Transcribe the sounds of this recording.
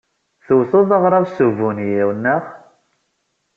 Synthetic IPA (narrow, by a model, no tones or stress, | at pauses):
θuwθoðˤɑʁɾˤɑvsuvːunjiwnːəʁ